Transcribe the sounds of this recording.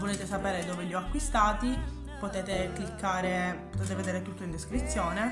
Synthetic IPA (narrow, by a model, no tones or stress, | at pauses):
voleːt̪esapeːɾed̪ɔːveʎiɔakːwist̪aːt̪i | pot̪eːt̪eklikʰːaːɾepot̪eːt̪eved̪eːɾet̪ut̪ːoind̪eskɾit̪sːjɔːne